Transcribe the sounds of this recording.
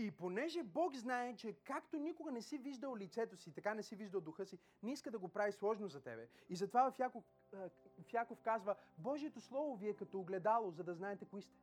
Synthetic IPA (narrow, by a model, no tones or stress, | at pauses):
iponɛʒɛbɔɡznaɛt͡ʃɛkakt̪onʲikoɡɐnɛsiviʒd̪əlˠlit̪sɛt̪osiːt̪ɐkanɛsiviʒd̪ɐlˠd̪ʊxɤsi | niskəd̪ɐɡopɾavislˠɔʒnozɐt̪ɛ̰bɛizɐt̪ovavɐfjako | fjakofkazvəbɔʒiɛt̪oslˠɔvoviɛkɐt̪ɔːɡlɛd̪alˠozɐd̪ɐznaɛt̪ɛkoist̪ɛ̥